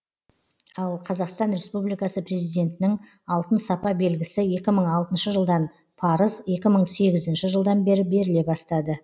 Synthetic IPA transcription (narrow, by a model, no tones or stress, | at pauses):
ɑlˠqʰɑzɑqst̪ɑnɾe̞spublijkɑsəpre̞zijd̪e̞nt̪ɪnɪŋ | ɑlˠt̪ənsɑpɑbe̞lɡʲɪsɪje̞kʲɪməɴɑlˠt̪ənʃəʒəlˠd̪ɑn | pʰɑɾəzje̞kʲɪməɴse̞ɡʲɪzɪnʃɪʒəlˠd̪ɑnbe̞ɾɪbe̞ɾɪle̞bɑst̪ɑd̪ə